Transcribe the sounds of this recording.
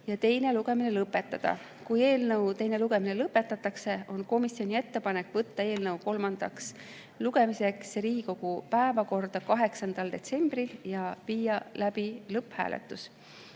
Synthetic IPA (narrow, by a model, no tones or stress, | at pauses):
jɑt̪e̞jne̞luɡ̥e̞mine̞lɤpːˑe̞t̪ːˑɑd̪̥ɑ̰ | kuje̞ːlnɤwt̪e̞jne̞luɡe̞minelɤpːˑe̞t̪ːˑɑt̪ːˑɑkse̞o̞nko̞misio̞nʲie̞t̪ːe̞pɑne̞kːˑvɤt̪ːɑe̞ːlnɤwko̞lmɑnd̪̥ɑ̰ks | luɡ̥e̞mise̞ksɾiːiko̞ɡ̥upæevɑko̞rd̪̥ɑkɑɦe̞ksɑnd̪̥ɑld̪̥e̞̰t̪se̞mb̥riljɑviːjɑlæb̥ilɤphæ̰ːlḛt̪ːˑus